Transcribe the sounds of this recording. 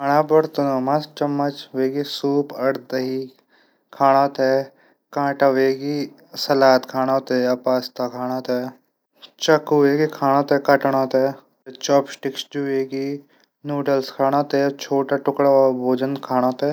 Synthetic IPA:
kʰaɽ̃ãbɐɾt̪onomast͡ʃɐmːət͡ʃʋeːɡisuːpɐɽd̪əɦi | kʰaːɽ̃at̪ɛː | kãːʈaʋeːɡi | sɐlaːt̪kʰaːɽ̃ãt̪ɛːɐpaːst̪akʰaːɽ̃at̪ɛː | t͡ʃɐkueːɡikʰaːɽ̃at̪ɛːkɐʈɽ̃ãt̪ɛː | t͡ʃɔːpsʈɪksd͡ʒueːɡi | nuːɖəlskʰaːɽ̃ãt̪ɛt͡ʃʰoːʈaʈʊkɽabʱoːd͡ʒənkʰaːɽ̃at̪ɛː

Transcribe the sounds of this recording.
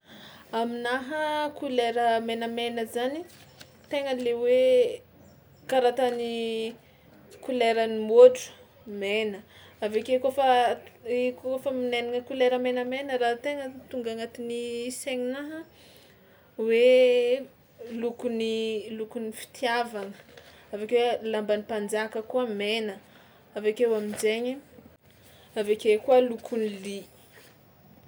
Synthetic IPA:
aminaɦəkuleɾəmenəmenəzani | t̪eŋəlewe | kaɾat̪ani | kuleɾənimoʈ͡ʂu̥ | menəavekekofə | ikokofəmineniŋəkuleɾəmenəmenəɾat̪eŋət̪uŋɡaŋat̪iniseɲinaɦ | we | lukunilukunifi̥t̪ʰjavaŋə | avekewlambanipand͡zakəkuəmenə | avekewamind͡ʒeɲi | avekekuəlukʰunili

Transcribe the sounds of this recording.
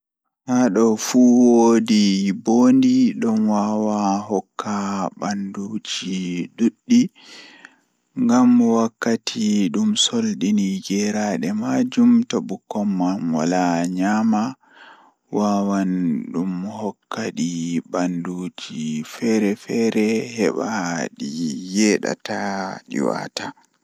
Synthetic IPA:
haɗɔfuwodiboːndiɗɔnwawaɦɔkʰːabanduːd͡ʒiiɗuɗːi | ŋɡamːɔwakːatʰiɗumsolɗiniɡɛɾaɗɛmad͡ʒumtoɓukːɔmːamwa̰laɲama | waːwanɗumhɔkːaɗibanduːd͡ʒifɛɾɛfɛɾɛhɛ̰ɓaɗijɛːɗa̰taɗḭwa̰ta

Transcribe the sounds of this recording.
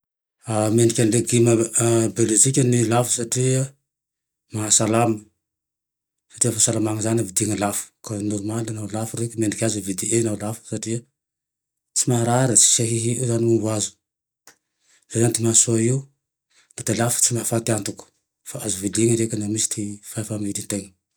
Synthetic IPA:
ameɳɖ͡ʐikʲanleɡiməbelot͡sikʲənilafu̥saʈ͡ʂiə | maɦasalamə | sḁʈ͡ʂiəfasalamaŋəzanavid̪iŋəlafu̥kanɔɾumalanawlafurekʲəmeɳɖ͡ʐikʲazivid̪iʔenawlafu̥saʈ͡ʂiə | t͡simaɾaɾət͡si̥seɦiɦiizanimuvuazu̥ | z̥ezanit̪imasuaiu | nad̪elafə̥t͡simafat̪iant̪uku̥ | faazuvid̪iŋəɾekʲənamisi̥t̪ifafamid̪int̪eŋə

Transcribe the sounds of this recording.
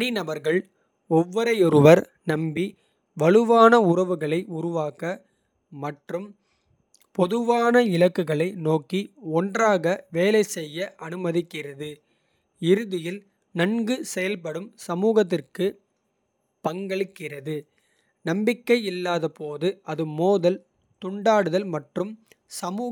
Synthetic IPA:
ɐninɐʋɐɾɣɐɭ | ɔʋːɔɾɐɪɔɾɯʋɐɾ | nɐmbi | ʋɐɭɯʋaːnɐʊɾɐʋɯɣɐɭɐɪʊɾʊʋaːkɐ | mɐʈrɯm | pɔðɯʋaːnɐɪɭɐkːɯɣɐɭɐɪnoːkːiɔndraːɣɐʋeːlɐɪsɛjːɐʔɐnɯmɐðɪkːɪrɐðɯ | ɪɾɯðɪjɪl | nɐnɡɯsɛjɐlpɐɽɯmsɐmuːɣɐt̪̬ːɪrkɯ | pɐŋɡɐɭɯkːɪrɐðɯ | nɐmbɪkːɐɪɪlːaːðɐpoːðɯɐðɯmoːðɐl | t̪ʊɳɖaːɽɯðɐlmɐʈrɯm | sɐmuː

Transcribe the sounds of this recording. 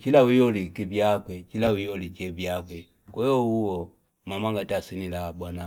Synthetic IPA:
t͡ʃilawijɔlikivjakwɛt͡ʃilawijɔlit͡ʃɛvjakwɛ | kɛjɔuwɔ | mamaŋɡatasinilabwana

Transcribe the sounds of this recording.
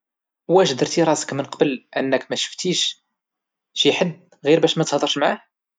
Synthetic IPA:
wæʒd̪əɾt̪iɾˤɑsə̥kmənqɑbəlʔənːəkmæʃə̥ft̪iʃ | ʃiħəd̪ | ɣiɾbæʃmæt̪hd̪ˤəɾʃmʕah

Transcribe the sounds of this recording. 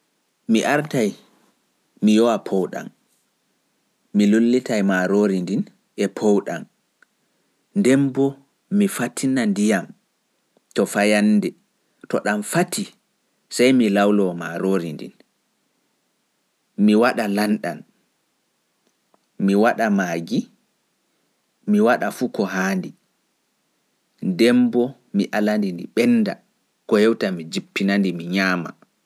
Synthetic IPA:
miʔaɾtaj | mijɔwapʰɔwɗa̰m | milolːitajmaɾoɾindin | ʔɛpʰɔwɗa̰m | ndɛmbɔ | mifatʰinandijam | tɔfajanːdɛ | tɔɗamfatʰi | sajmilawlɔmaɾoɾindḭn | miwaɗalanɗan | miwaɗamaːɡi | miwaɗafukɔɦaːndi | dɛmbɔ | miʔalandindiɓɛnːda̰ | kɔhɛwtamid͡ʒipːinandimiɲaːma̰

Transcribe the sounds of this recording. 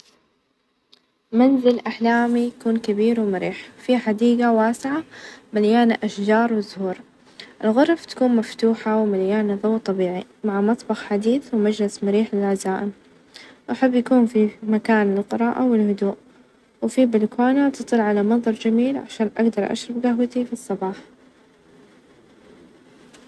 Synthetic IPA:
manzɪlʔaħlaːmijakuːnkabiːɾwɪmaɾiːħfiħad̪iːɡawaːsɪʕamaljaːnaʔaʃd͡ʒɑːɾˤwɪzʊhuːɾˤ | ʔɪlɣʊɾˤft̪ḁkuːnmaft̪uːħawɪmaljaːnaðˤɑwt̪ˤːɑbiːʕimaʕamɑt̪ˤbɑxħad̪iːθwmad͡ʒlɪsmaɾiːħlɪlʕazaːʔɪm | wʔaħabːjakuːnfimakaːnɪlqɨɾˤɑːʔawɪlhʊd̪uːʔ | wɪfibɪlkwaːnat̪ɨt̪ˤɨlʕalamɑðˤɑɾˤd͡ʒamiːlʕa̰ʃaːnʔa̰ɡd̪ɑɾˤʔa̰ʃɾˤɑbɡaɦwat̪ifisˤːɑbɑːħ

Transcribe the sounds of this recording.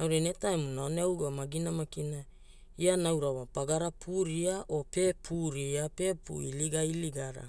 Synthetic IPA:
awɾanetaemunaoneawɡoamaɡinamakina | ianawɾawapaɡaɾapʰuɾiaʔo̞pe̞pʰuɾiape̞pṵiliɡailiɡaɾa̰

